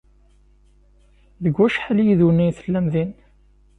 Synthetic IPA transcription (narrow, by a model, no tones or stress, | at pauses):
ðəɡːæʃħaljiðunːijθəlːæmðin